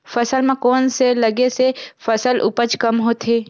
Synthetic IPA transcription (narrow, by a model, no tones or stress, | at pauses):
fəsəlmãkoːnseləɡesefəsəlʔʊ̰pət͡ʃkəmɦoːt̪ʰeː